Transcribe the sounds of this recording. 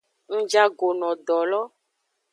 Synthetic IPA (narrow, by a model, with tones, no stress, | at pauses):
ŋ̩̃˦d͡ʒa˦ɡo˨nɔ̃˨ɖɔ˨lɔ˦